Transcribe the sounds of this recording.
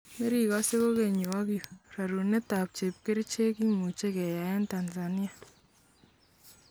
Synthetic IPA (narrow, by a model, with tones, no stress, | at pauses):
me˦ɾi˨kɔ˦se˦ko˦ke˨ɲu˨wa˦kjo˨ra˨ɾu˨ne˦ta˨p̚t͡ʃe˨p̚ke˦ɾt͡ʃe˦ki˦mu˨t͡ʃe˦kɛ˨ja˨ɛ˦nta˨nsa˨ni˦a˨